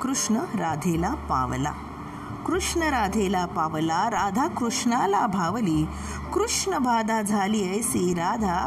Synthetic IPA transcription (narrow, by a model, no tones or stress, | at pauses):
kɾuʂɳəɾad̪ʱelapa̰ʋla̰ | kɾuʂɳəɾad̪ʱelapaʋlaɾad̪ʱakɾuʂɳalabʱaʋliː | kɾuʂɳəbʱad̪ʱad͡zʱaliːəjsiɾad̪ʱa